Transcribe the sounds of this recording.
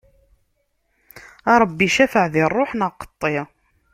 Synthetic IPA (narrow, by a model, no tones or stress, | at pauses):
ɑɾˤəbːiʃæfəʕðɪrˤːoħnəqːə̥t̪ˤːe